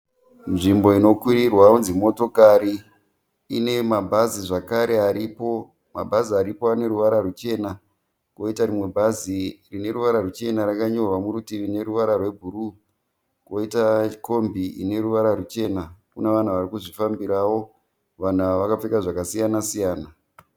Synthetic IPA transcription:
nʐimbo̞ino̞kwiɾirwaunzimo̞to̞kaɾi | ine̞mabʱaziʐakaɾe̞aɾipo̞ | mabʱaziaɾipoane̞ɾuʋaɾarut͡ʃe̞ːna | ko̞itarimwe̞bʱazirine̞ɾuʋaɾarut͡ʃe̞naɾakaɲo̞rwamuɾutiine̞ɾuʋaɾarwe̞bʱuɾu | ko̞itako̞mbiḭne̞ɾuʋaɾarut͡ʃe̞nakuneʋan̤uʋarikuʐifambiɾawo̞ | ʋan̤aʋakap͡fekaʐakasijanasijaːna

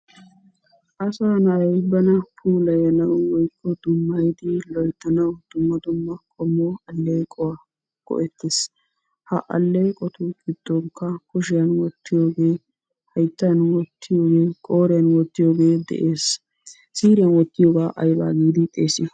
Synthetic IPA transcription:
ʔɐsaːnɐɐjbɐnɐpʰuːlɐjɐnɐwwɔjkʰːɔd̪̥ʊmːɐjd̪ɪlɔjt̪ːɐnɐwd̪̥ʊmːɐd̪ʊmːɐkʰʼɔmːɔɐlːɛjkʼɔwɐ | kɔ̰ʔɛt̪ʰːes | hɐʔɐ̰lːejkʼɔt̪ʊɡʼɪd̪̥ːɔŋkːɐkʊʃ̬ɪjɐnwɔt̪ʰːɪjo̞ːɡe̞ː | hɐjt̪ːɐnwɔt̪ːɪjoːɡe̞ːkʼoːɾɪjɐnwɔt̪ːɪjo̞ːɡe̞ːd̪ɛ̰ʔe̞ːs | siːɾɪjɐnwɔt̪ːɪjoːɡaːʔɐjba̰ːɡiːd̪ɪt̪ʼeːsɪ

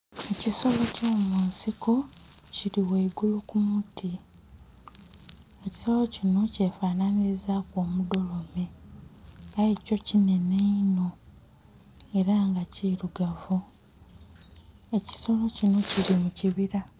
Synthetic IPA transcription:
eciso̞lo̞coːmuːnsiko̞ | ciɾiweiɡulukumutʰi | eci̥so̞locino̞ce̞ːfaːnaniizaːko̞ːmudo̞lo̞me̞ | ajeco̞cine̞neino̞ | e̞ɾaŋɡaciɾuɡavu | e̞ci̥so̞lo̞cino̞ciɾimuciβiɾa

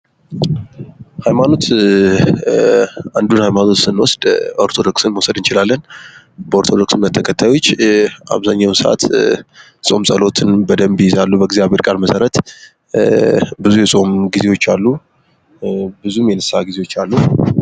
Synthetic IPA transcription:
hajmano̞t̪ | and̪unhajmano̞t̪sɨnwɔsd̪ʔo̞ɾt̪ʰo̞d̪o̞ksɨnməwsəd̪ɨnt͡ʃɪlalːən | bəoɾt̪ʰo̞d̪o̞ksɨnːət̪ʰːəkʰət̪ʰːajwo̞t͡ʃːʔa̰βzaɲːawnsəʔa̰t̪ | sʼo̞msʼəlo̞t̪ʰɨnbəd̪əmbijɪzalːubəɡzijaβhe̞ɾkʼaɾməsəɾət̪ | bɨzujɛsʼo̞mɡize̞wo̞t͡ʃːalːu | bɨzumjɛnɨsːaɡize̞wo̞t͡ʃːalːu

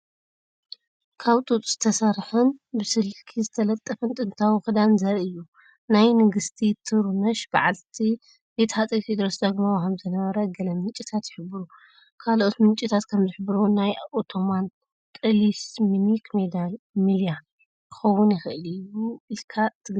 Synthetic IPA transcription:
kʰaβt̪ʼut̪ʼz̥ɨt̪ʰɐsɐɾħɨnbɨsɨlkʰizɨt̪ʰɐlɐt̪ʼːɐfɨnt̪ʼɨnt̪ʰawxɨd̪anzɐɾɨjːu | najnɨɡɨst̪ʰit̪ʰɨɾmɐʃb̥aʕalt̪ʰi | jet̪ʰħat͡sʼɐjt̪id̪ɾosd̪ɐɡmawkʰɐmzɨnɐβɐɾɐɡɐlɐmɨnt͡ʃʼit̪ʰat̪jɪħɨbɨɾu | kʰalʔo̞t̪mɨnt͡ʃʼit̪ʰat̪kʰɐmzɨħbɨɾunajʔot̪ʰo̞man | t̪ʼɨlisminikʰmed̪al | milja | kʰɨ̥xɐwːʊnjɪxɨʔɨlɨjuilkʰat̪ʰɨɡ

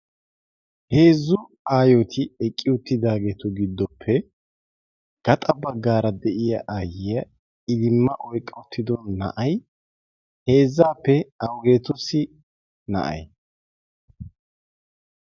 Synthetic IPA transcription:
he̞ːzːʊ | aːjoːt̪ʰɪɛkʼːɪʊt̪ːɪd̪aːɡeːt̪ɔɡɪd̪ːɔpʰːɛ | ɡ̥ɐt̪ʼɐbɐɡːaːɾɐd̪ɛʔɪjɐʔaːjɪjɐ | ɪd̪ɪmːɐʔɔjkʼːɐʊt̪ːɪd̪ɔnːɐ̰ʔɐj | he̞ːzːaːpːɛɐwɡe̞ːt̪ʊsɪ | nɐ̰ʔɐ̰j

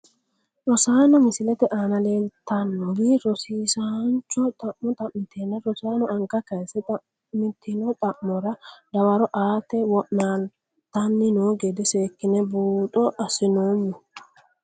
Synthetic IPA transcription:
ɾɔsaːnɔmɪsɪlɛt̪ɛʔaːnɐle̞ːlt̪ɐnːɔbiɾɔsiːsant͡ʃːɔt̪ʼɐʔːɔt̪ʼɐmːɪt̪ʰeːnɐɾɔsaːnɔʔɐŋɡɐkɐjsɛt̪ʼɐ | mɪt̪ʰːɪnɔt̪ʼɐʔmːɔɾɐd̪ɐwɐɾɔʔaːt̪ɛwɔʔnaːn | t̪ɐnːɪnoːɡɛd̪ɛseːkːɪnɛbuːt̪ʼɔʔɐsɪnoːmːʊ

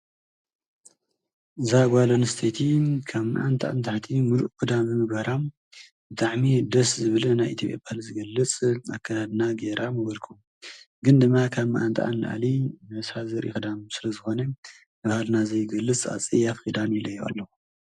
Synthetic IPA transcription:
ɨzaɡʷalonst̪ʰet̪ʰikʰaβna̰ʔant̪ʰʼa̰ʔant̪ʰaħt̪ʰimuluʔkɨd̪amːɨmɨɡbɐɾam | bɨt̪ʰʼaʕmid̪ɐszɨβɨlɐnajʔit̪ʰopʼjapʼalzɨɡɐlːɨt͡sʼakʰːat̪ʰad̪naɡeɾʔamɨbɐlkʰum | ɡɨnd̪ɨmːakʰaβnaʔant̪ʼʰa̰ʔa̰nlɨ̰ʔa̰limɐshazɐɾʔḭxɨd̪amsɨlɐzɨxo̞nɐ | ɨβhalnazɐjɡɐlːɨt͡sʼa̰t͡sʼijafid̪anilɐjuʔa̰lːɐxu

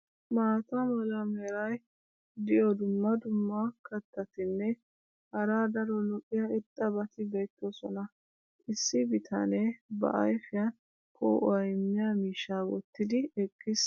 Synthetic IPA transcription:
maːt̪ɐmɔlɐmeːɾɐj | d̪ɪjɔd̪ʊmːɐd̪ʊmːɐkɐt̪ːɐt̪ɪnːɛ | hɐɾaːd̪ɐɾɔlɔkʼːɪjɐɪt̪ʼːɐbɐt̪ɪɡɐjt̪ːosɔnɐ | ʔɪsːɪbɪt̪ʰɐ̰nebɐ̰ʔɐ̰jfɪjɐn | kʰɔ̰ɐjmːɪjamiːʃawɔ̰t̪ːɪd̪ɪɛkʼːɪs

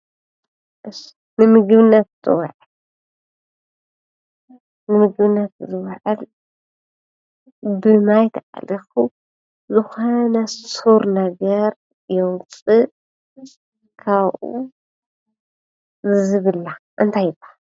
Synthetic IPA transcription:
ʔɨs | nɨmɨɡβɨnːɐt̪̚zɨ̰w̰ʕal | nɨmɨɡβɨnːɐt̪̚zɨwʕal | bɨmajt̪ʰaʔa̰lixu | zɨxonɐssuɾnɐɡɐɾ | jowŋt͡sʼɨ | kʰaβʔṵ | zɨzɨβɨlːaʔɨnt̪ʰajɪbḁ

